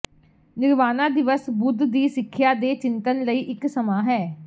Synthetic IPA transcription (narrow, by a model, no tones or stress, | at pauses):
nɪɾʋaːnãːd̪ɪʋəsbʊd̪ːiːsɪkʰːjaːd̪eːt͡ʃɪnt̪ənləiːʔɪksəmaːɦɛː